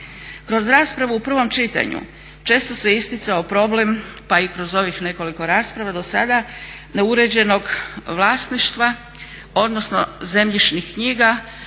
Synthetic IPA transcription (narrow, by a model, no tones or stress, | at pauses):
kɾo̞zɾaːspɾaʋuupr̩ʋo̞mt͡ʃit̪a̰ɲṵ | t͡ʃe̞ːst̪o̞se̞ist̪it̪sao̞pɾo̞ble̞mpaikɾo̞zo̞ʋixne̞ko̞liko̞ɾaːspɾaʋad̪o̞sa̰d̪a | ne̞uɾe̞d͡ʑe̞no̞ɡʋlˠaːsniʃt̪ʋa | o̞d̪no̞sno̞̰ze̞mʎiʃnixkɲiːɡa